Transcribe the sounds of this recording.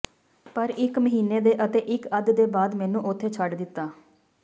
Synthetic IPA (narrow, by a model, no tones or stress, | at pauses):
pəɾɪkməɦiːneːd̪eːʔət̪eːʔɪkəd̪d̪eːbaːd̪mɛːnũːʔʊt̪ʰːeːt͡ʃʰəɖd̪ɪt̪ːaː